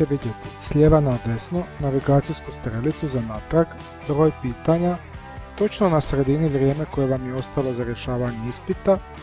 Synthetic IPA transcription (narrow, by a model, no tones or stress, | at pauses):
eʋid̪je̞t̪i̥slʲe̞ːʋanad̪e̞sno̞naʋiɡaːt̪sijskust̪ɾelit̪suzanat̪ɾak | bɾo̞ːjpiːt̪aɲa | t̪o̞t͡ʃno̞nasɾe̞d̪iniʋɾje̞ːme̞ko̞je̞ʋamjeo̞st̪alˠo̞zaɾje̞ʃaːʋaɲeispit̪a